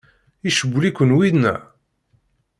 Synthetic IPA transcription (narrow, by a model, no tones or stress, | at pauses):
iʃəbʷːlikʷːənwiðnæ̰